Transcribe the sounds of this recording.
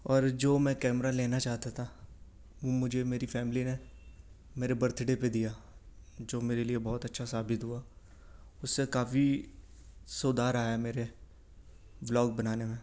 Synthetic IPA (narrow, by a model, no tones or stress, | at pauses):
ɔːɾd͡ʒoːmɛ̃kɛːmɾaleːnat͡ʃaːɦt̪at̪ʰa | ʋomʊd͡ʒʱemeːɾifʰɛːmline | meːɾebɐɾt̪ʰɖeped̪ijaː | d͡ʒoːmeːɾeliebɔːt̪ɐtːʃʰasaːbɪt̪ɦua | ʊsːekaːfi | soːd̪aːɾaːjameːɾe | blɔːɡ̚bɐnaːnemẽː